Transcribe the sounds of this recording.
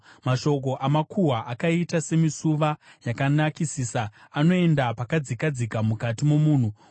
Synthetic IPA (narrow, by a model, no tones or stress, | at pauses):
maʃo̞k̬o̞ʔamakʰuɦaʔakaitase̞misuʋajakanakisiːsaːno̞e̞ndapakad͡zikad͡zikamukatimomuːn̤u